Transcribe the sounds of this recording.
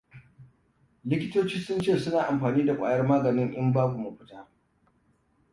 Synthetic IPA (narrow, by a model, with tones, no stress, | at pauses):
lɪ˦kʲɪ˦toː˦t͡ʃiː˦sʊ˦nt͡ʃeː˦˨sʊ˦naː˨ʔa˨mɸaː˨niː˦da˨kʷʼa̰ː˨jɐ˦rmaː˦ɡɐ˨nɪ˦ŋʔɪ˦mbaː˦ɡʷu˨mu˨ɸɪ̥˦taː˦